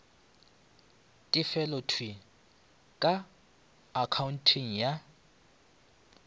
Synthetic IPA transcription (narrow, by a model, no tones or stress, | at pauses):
tʼɪfɛlɔtʰwi | kʼaː | kʰaun̩tʰiŋ̩ja